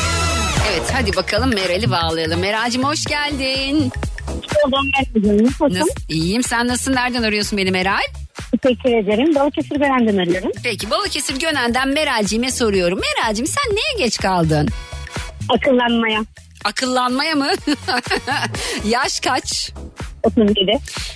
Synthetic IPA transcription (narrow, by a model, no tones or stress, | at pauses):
evɛt̪had̪ibakʰalˠɯmːeɾalʲibaːlˠajalˠɯmːe̞ɾaːd͡ʒimho̞ʃɟælʲd̪in | olˠd̪anmeɾad͡ʒaikonumijjimsænːasɯnːæɾd̪ænaɾujo̞sunbe̞nimeɾalʲ | tet͡ʃɛcʲlʰived̪eɾimbalˠucʰesiɾɟønænd̪ɛmeɾaɾumpʰecʰibalˠacʰesiɾɟø̞nænd̪ænme̞ɾalʲd͡ʒijmɛso̞ɾujo̞ɾumːe̞ɾaːd͡ʒimsænːejɛɟɛt͡ʃkʰalˠd̪ɯn | akʰɯlˠːanmaja | akʰɯlˠːanmajamɯ | jaʃkʰat͡ʃ | ok̪unid̪ɪ